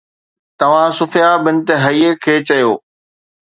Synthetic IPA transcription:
t̪ɐʋ̤ãsʊfɪjabɪnɪ̆t̪eɦɐiːekʰeːt͡ɕɐjoː

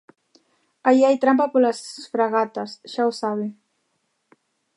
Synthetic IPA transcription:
ajiajt̪ɾampapolasfɾaɣat̪asʃawsaβ̞i

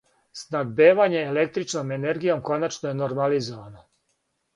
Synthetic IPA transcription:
snaɡbeːʋaɲe̞ːle̞k̚t̪ɾit͡ʃnomene̞ɾɡijo̞mko̞nat͡ʃnoje̞no̞ɾmalizo̞ʋaːno̞

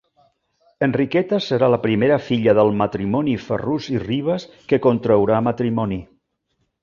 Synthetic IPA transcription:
ənrikɛt̪əsəɾaləpɾimeɾəfiʎəðəlˠmət̪ɾimɔnifə̰ruziriβ̞əskəkont̪ɾəwɾamət̪ɾimɔni

